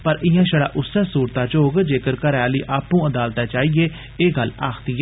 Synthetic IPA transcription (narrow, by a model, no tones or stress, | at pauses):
pəɾɪɦãːʃəɽa̰ːʔʊsːaːsuːɾt̪aːt͡ʃoːɡd͡ʒeːkəɾkəɾaːliːʔaːpũːəd̪aːlt̪aːt͡ʃaːieː | eːɡəlaːkʰt̪ɪɛ